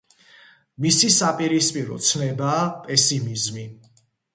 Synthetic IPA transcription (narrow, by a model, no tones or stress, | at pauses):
misisapʼiɾispʼiɾɔ̰t̪sʰnɛbaːpʼɛsimizmi